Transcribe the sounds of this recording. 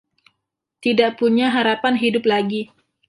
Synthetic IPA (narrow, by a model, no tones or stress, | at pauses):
t̪idaʔpuɲaɦaɾapanɦidʊplaɡi